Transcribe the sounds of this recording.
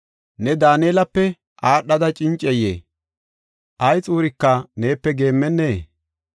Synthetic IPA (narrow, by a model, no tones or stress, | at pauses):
nɛd̪aːneːlɐpːɛ | ʔaːɗːɐd̪ɐt͡ʃʼɪnt͡ʃʼɛjḛː | ʔɐjt͡sʼuːɾɪkːɐne̞ːpːɛɡe̞ːmːɛnːeː